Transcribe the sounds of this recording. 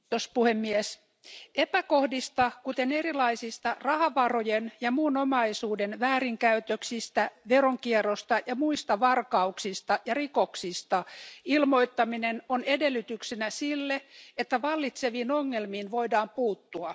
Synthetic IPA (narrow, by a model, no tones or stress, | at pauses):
ospuhemːies | epækohdist̪ɑkut̪enerilɑisist̪ɑrɑhɑʋɑrojenjɑmuːnomɑisuːdenʋæːɾiŋkæyt̪øksist̪æʋeroŋkierost̪ɑjɑmuist̪ɑʋɑrkɑuksist̪ɑjɑrikoksist̪ɑilmoit̪ːɑminenonedelːyt̪yksinæsilːeet̪ːæʋɑlːit̪seʋiːnoŋːelmiːnʋo̞idɑːmpuːt̪ːuɑ